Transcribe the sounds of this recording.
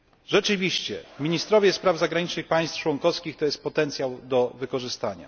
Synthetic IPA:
ʐɛt͡ʂɘvʲiɕt͡ɕɛ̰mʲiɲist̪ɾɔvʲjɛspɾavzaɡɾaɲit͡ʂnɘxpaj̃st̪ft͡ʂwɔŋkɔfskʲixt̪ɔjɛst̪̚pɔt̪ɛnt̪sʲjawd̪ɔvɘkɔʐɘst̪aɲa̰

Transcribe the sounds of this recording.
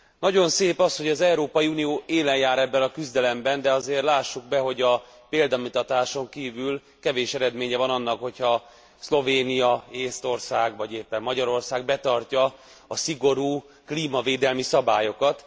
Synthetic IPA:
nɒɟo̞nseːpɒsho̞ɟɒzɛuɾoːpɒjiunijoːʔeːlɛjjaːɾɛbːɛnɒkyzd̪ɛlɛmbɛnd̪ɛɒzeːrlaːʃːuɡ̚bɛɦo̞ɟɒ | peːld̪ɒmut̪ɒt̪aːʃo̞ŋkiːvyl | kɛveːʃɛɾɛd̪meːɲɛvɒnɒnːɒkho̞cʰhɒ | slo̞veːnijɒeːst̪o̞rsaːɡvɒɟeːpːɛmːɒɟɒɾo̞rsaːɡbɛt̪ɒrcɒ | ɒsiɡo̞ɾuː | kliːmɒveːd̪ɛlmisɒbaːjo̞kɒt̪

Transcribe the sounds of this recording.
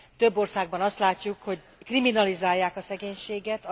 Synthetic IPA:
t̪ø̞bːo̞rsaːɡ̚bɒnɒst̪laːcːukho̞ɟ | kriminɒlizaːjːaːkɒsɛɡeːɲʃeːɡɛt̪

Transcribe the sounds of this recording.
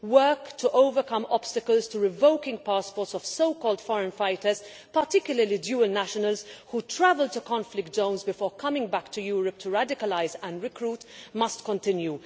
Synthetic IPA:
wɜːktʰuʔoʊvəkʌ̃mɔb̥stəkəlztuɹɪvoʊkɪ̃ŋɡpaspɔːtsɔv̥soʊkɔːld̥fɔɹə̃nfaɪtəz̥ | pətɪkjʊləɾlidjuːəlnæʃənəlz̥huːtʰɹævəltukɔ̃nflɪk̚t̚d͡ʒõʊ̃nzbɪfɔːɹkʰʌmɪ̃ŋɡbæktʰujuːɹəp̚tʰuɹædɪkəlaɪzə̃ndɹɪkʰɹuːtmʌstkɔ̃ntɪ̃nju

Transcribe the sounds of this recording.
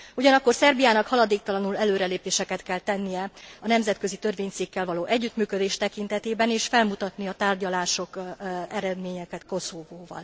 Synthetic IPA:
uɟɒnɒkːo̞rsɛrbijaːnɒkhɒlɒd̪eːk̚t̪ɒlɒnulɛløːɾɛleːpeːʃɛkɛt̪kɛlt̪ɛnːijɛɒnɛmzɛt̪̚kø̞zit̪ø̞rveːɲt̪siːkːɛlvɒloːʔɛɟːyt̪myːkød̪eːʃt̪ɛkint̪ɛt̪eːbɛneːʃfɛlmut̪ɒt̪niɒt̪aːrɟɒlaːʃo̞kɛɾɛd̪meːɲɛkɛt̪ko̞soːvoːvɒ̰l

